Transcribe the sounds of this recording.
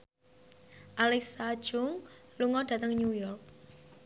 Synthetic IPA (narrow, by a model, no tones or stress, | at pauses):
ʔalɛksḁʒ̥ʊŋluŋɔd̥ä̤t̪əŋɲujɔrk̚